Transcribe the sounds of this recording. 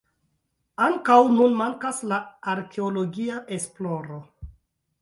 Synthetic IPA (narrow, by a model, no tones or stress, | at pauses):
aŋkawnunmaŋkaslaaɾkʰe̞olo̞ɡiaʔe̞splo̞ɾo